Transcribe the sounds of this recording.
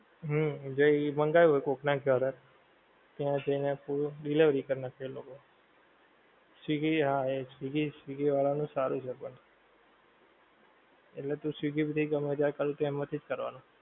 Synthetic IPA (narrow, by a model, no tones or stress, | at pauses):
ɦəd͡ʒoiməŋɡajũɦojkoknaɡjəɾə | t̪jãd͡ʒəinepuɾɖiliʋɾikəɾnakʰeloko | siɡiɦaesʋiɡisʋiɡiʋaɭanũsaɾũt͡ʃʰepəɳ | eʈlet̪ũsiɡibid̪ʱiɡəmeɾjakəɾũt̪oɛmət̪ʰid͡ʒkəɾʋa̰nũ